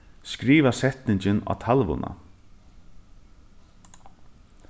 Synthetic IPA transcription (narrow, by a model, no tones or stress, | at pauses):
skɾiːvasɛt̪nɪɲt͡ɕɪna̰ːt̪ʰalʋʊ̰na̰